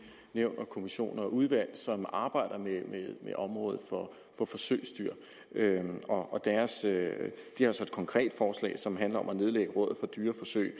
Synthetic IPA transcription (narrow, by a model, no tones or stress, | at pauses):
neʊ̰nɐkʰo̝miɕo̝̰ːnɐɒ̽uð̞ˠʋæl̰sɒ̽mɑ̈ːb̥ɑ̈ɪ̰ɾ̥ɐmemeðmeʔɒ̽mʁɔ̽ːðˠð̩ˠfɒ̽ | fɒ̽fɒ̽søɪ̰sd̥yɐ̰ | øɒ̽ɒ̽d̥æɐsød̥ihɑ̈sɒ̽e̝d̥kʰɒ̽ŋkʰʁɛ̰ːd̥fɒːslɛ̰ɪsɒ̽mɦænlɐɒ̽mæne̝ð̞ˠleɡ̥əʁɔ̽ð̩ˠfɒ̽d̥yːɐfɒ̽sø̰ɪ